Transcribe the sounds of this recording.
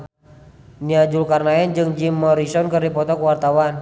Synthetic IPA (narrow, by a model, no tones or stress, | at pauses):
niad͡ʒulkarnaɛnd͡ʒɨŋd͡ʒimːɔɾisɔnkɨrdipɔt̪ɔkuwart̪awan